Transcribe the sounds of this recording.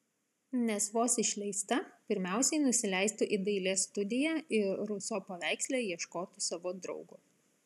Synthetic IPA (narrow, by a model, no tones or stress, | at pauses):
nʲɛsʋoːsɪʃʲlʲɛɪst̪ɐpʲɪɾʲmʲæˑʊsʲɛɪnʊsʲɪlʲæˑɪst̪uʔɪd̪ɐɪlʲeːst̪ʊd̪ʲɪjæɪɾɾʊsoːpɐʋʲæˑɪksʲlʲeːjiɛʃkoːt̪ʊsɑʋoːd̪ɾɒ̰ʊɡʊ